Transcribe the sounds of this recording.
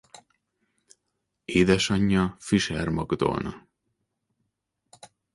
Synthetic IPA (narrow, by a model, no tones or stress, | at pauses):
eːd̪ɛʃɒɲːɒfiʃɛrmɒɡd̪o̰ːnɒ̰